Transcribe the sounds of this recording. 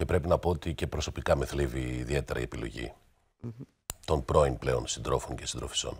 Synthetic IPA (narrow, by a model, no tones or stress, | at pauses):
ce̞pɾe̞pinɐpo̞ot̪ice̞pɾo̞so̞pikɐme̞θliviːðie̞t̪e̞ɾɐ̰ḭepilo̞̰ʝḭ | t̪o̞npɾo̞in̚ple̞o̞nsind̪ɾo̞foncesind̪ɾo̞fi̥so̞̰n